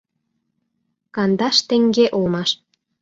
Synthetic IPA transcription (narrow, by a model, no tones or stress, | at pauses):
kɑnd̪ɑʃt̪ĕŋɡeʔolmɑʃ